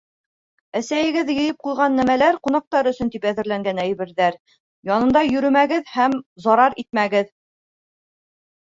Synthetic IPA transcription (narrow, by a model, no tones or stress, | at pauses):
æsæjɘ̆ɡɘðjɤ̆jɤp̚qujˠʁɑnːæmælæɾqunɑq̚t̪ɑɾɵ̆sɵnt̪ipæðɘ̆ɾlæŋɡænæjβɘ̆ɾðæɾ | jɑnɤ̆nd̪ɑjɵ̆ɾɵ̆mæɡɘðhæmzɑɾɑɾit̪̚mæɡɘð